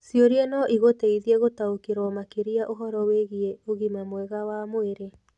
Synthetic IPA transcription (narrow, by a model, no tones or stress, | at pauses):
sjoɾiɛnɔʔiɣoteiðiɛɣotaokeɾɔmakeɾiaʔoɦɔɾɔweɣieoɣimamwɛɣawamweɾe